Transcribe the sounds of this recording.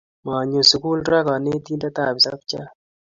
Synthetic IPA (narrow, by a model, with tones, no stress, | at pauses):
ma˨ɲo˨su˨ku˦lɾa˦ka˨ne˦t̪i˦nda˦ta˨bi˨sa˦p̚t͡ʃa˦